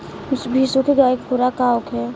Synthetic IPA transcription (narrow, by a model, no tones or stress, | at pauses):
sbʱisokiɡaːkpʊɾakaːʊkɛ